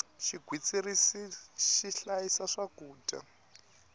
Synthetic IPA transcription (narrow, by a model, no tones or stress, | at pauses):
ʃiɡʱwit͡sirisiʃiɬajisaʂaɡuːta̰